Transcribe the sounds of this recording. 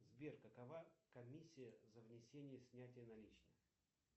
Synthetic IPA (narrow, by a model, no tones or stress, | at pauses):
zbʲerkəkɐvakɐmʲisʲːɪjəzəvnʲɪsʲenʲɪjəsʲnʲætʲɪjənɐlʲit͡ɕnɨ